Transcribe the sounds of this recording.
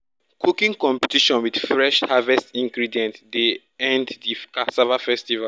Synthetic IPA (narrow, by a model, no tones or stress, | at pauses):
kʰukĩŋkɔ̃mpi̥tiʃɔ̃nwid̥fɹɛʃhavɛstĩŋɡɹidiɛ̃ntde | ɛ̃nddikasavafɛstiva